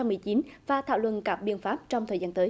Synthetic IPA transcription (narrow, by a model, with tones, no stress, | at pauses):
mɨ˨˩əjt͡ɕi˨˦nvaː˨˩t̪ʰa̰ː˧˨wlwə̰˧˨nkaː˨˩p̚ɓḭ˧˨ənfaː˦˥p̚t͡ɕɔ˧wŋ͡mt̪ʰəː˨˩jzaː˧nt̪əː˨˦